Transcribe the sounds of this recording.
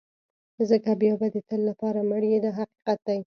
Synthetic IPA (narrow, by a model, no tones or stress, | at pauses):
zəkabjɑbad̪ət̪əlːapɑɾaməɽjed̪ɑɦaqi̥qat̪̚d̪aj